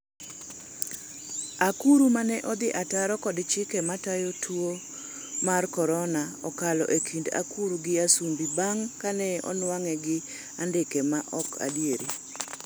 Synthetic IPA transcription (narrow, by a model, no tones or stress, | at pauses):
akuɾumanɛʔɔd̪ɪʔataɾɔkɔdt͡ʃɪkɛmatajotʰwo | markɔɾɔnaɔkalɔ̰ʔekʰinda̰kuɾuɡɪasumbibaŋkanɛɔ̰nwaŋɛɡɪ | andɪkɛmaʔɔkʰa̰dieɾi